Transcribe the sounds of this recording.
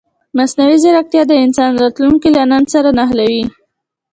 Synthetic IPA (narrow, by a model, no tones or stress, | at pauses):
masnawizaɾak̚t̪jɑd̪əɪnsɑnɾɑt̪lunkilanənsaɾanaɦlawi